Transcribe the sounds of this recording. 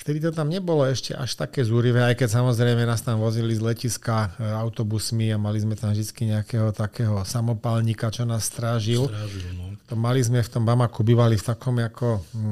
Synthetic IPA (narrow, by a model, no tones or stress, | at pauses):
ft̪ɛd̪it̪ɔt̪amɲɛbɔlɔɛʃcɛ̰ʔa̰ʃt̪akɛːzuɾiʋɛːajkɛcs̬amɔzɾɛjmɛnaːst̪amʋɔzilizlɛciskaaʊt̪ɔbusmiamalizmɛt̪amvd̪it͡skiɲɛakɛɦɔt̪akɛːɦɔsamɔpalɲikat͡ʃɔnaːsːt̪ɾaːʒil | t̪ɔmalizmɛft̪ɔmbamakubiːʋalift̪akʰɔmjakʰɔ